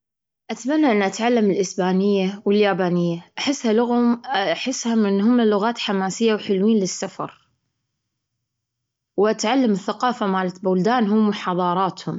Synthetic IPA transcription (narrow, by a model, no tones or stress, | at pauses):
ʔat̪amanːaʔɪnːʔat̪ʕalːamɪlʔɪsbaːnɪjːawɪljaːbaːnɪjːaʔaħɪsːhalʊɣʊmaħɪsːhamɪnːhʊmːalʊɣaːt̪ħamaːsɪjːawħɪlwiːnlɪsːafɑ̰ɾˤ | wʔat̪ʕalːamɪθːaqɑːfamaːlat̪bʊld̪aːnɦʊmwħɑðˤɑːɾˤɑːt̪hʊm